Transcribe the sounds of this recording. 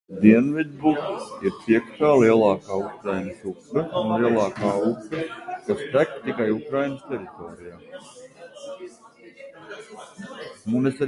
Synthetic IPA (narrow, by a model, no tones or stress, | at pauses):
d̪iɛnvid̪bukiɾpiɛkʃaːliɛlˠɑːkaːukɾajnʲəsupːɛunliɛlˠɑːkaːupːəkast̪æk̚t̪ikajukɾajnəst̪ʲɛɾit̪oːɾijaː | munɛsa